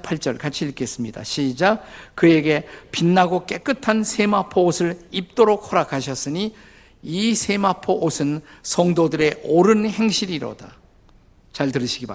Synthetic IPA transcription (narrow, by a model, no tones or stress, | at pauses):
pʰaɭt͡ɕ͈ʌɭkat͡ɕʰiɭk͈e̞s͈ɯmɲida̰ɕʰid͡ʑakɯe̞ɡe̞pinːaɡok͈e̞k͈ɯtʰansʰe̞mapʰoːsʰɯɾip̚t͈oɾok̚hʌɾakʰaɕ̬ʰʌs͈ɯɲi | isʰe̞mapʰoʔosʰɯnsʰʌŋdodɯɾe̞ʔoɾɯnheŋɕ͈ʰiɾiɾo̰da̰ | t͡ɕaɭtɯɾɯɕʰiɡiba